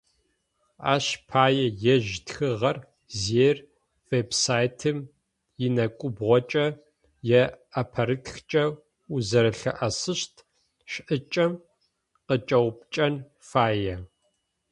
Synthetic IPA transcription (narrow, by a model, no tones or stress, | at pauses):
a̰ːɕpʰaːjɛjɛʒtxɨʁɐr | zeːr | veːbsaːjtʰɨm | jɪnɐkʷʼʊbʁʷɔt͡ʃʼɐ | jɛɐpʰɐɾɨtxt͡ʃʼɐ | uzɐɾɨɬɐ̰ʔɐsɨɕtʰ | ɕʔɨt͡ʃʼɐm | qət͡ʃʼɐwp̚t͡ʃʼɐn | faːjɛ